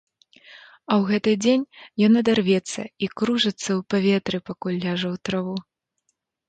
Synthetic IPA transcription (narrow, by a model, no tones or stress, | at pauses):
ɐwɣɛt̪ɨd͡zʲenʲjɔnɐd̪arvʲɛt̪sːɐ̰ikɾuʐɨt̪sːɐwpavʲɛt̪ɾɨpakulʲːaʐɐwt̪ɾavu